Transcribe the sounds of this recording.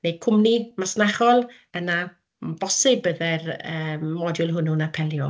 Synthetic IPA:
nejkʰʊmnimasnaχɔlˠ | əna | b̥ɔsɪbəðɛrəmːɔdjʊlˠɦʊnunapʰɛlˠjɔ

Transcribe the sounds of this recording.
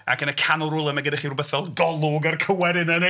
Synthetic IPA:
a̰kʰənəkʰanʊlˠrʊlˠəmɛɡədaχirubəθɔlˠɡɔlˠʊɡarkʰəwɛɾɪnəne

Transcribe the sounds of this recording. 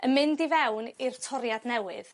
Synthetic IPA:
əmɪndivɛwnirtʰɔɾjadnɛwɨ̰ð

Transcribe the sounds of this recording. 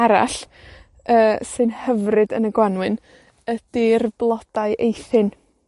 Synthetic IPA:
aɾa̰ɬ | əːsɨnhəvrɨdənəɡwanwɨn | əd̥ɪrb̥lˠɔd̥aɨʔejθɪn

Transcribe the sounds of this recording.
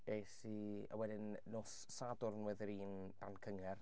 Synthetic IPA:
esiə̰wɛdɪnːoːsːadʊrnwɛðɪɾiːn | d̥ankʰəŋɛr

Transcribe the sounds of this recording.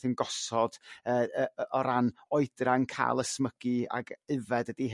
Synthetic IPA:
ənɡɔsɔd̥əːəːɔɾanɔɨd̥raŋkʰa̰ːlˠəsməɡ̥ia̰ɡɨvɛdədiɦ

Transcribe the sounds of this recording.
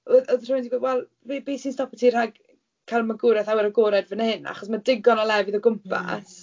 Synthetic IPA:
ɔðɔðr̥ʊwndibowɛlˠ | vebejsinstɔpətʰir̥aɡ | kʰalmaɡʊɾɛθawɛɾəɡoɾɛdvənhɪna̰χɔsmadɪɡɔnɔlˠɛvɨðɔɡʊmpʰa̰s

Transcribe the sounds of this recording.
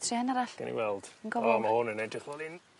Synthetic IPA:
tʰrianaɾaɬa̰nḭwɛlˠd̥ənɡɔvɔɔmahʊnənejdrɪχlˠɔlɪn

